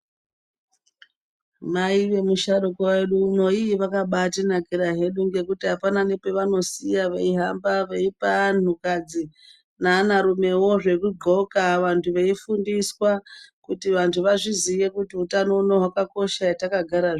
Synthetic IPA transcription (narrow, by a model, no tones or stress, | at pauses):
maiʋe̞muʃaɗukoweɗuːno̞iiʋakaɓatinakiɾaɦe̞ɗuŋɡe̞kutiɦapananepe̞ʋano̞sijaʋeiɦambaʋeipan̤ukad͡zi | nanaɾume̞wo̞ʐe̞kuɡo̞kaʋantʰuʋe̞ifundiswakutiʋantʰuʋaʐizijekutiutano̞unoɦwakako̞ʃaetakaɡʱaɾaʐ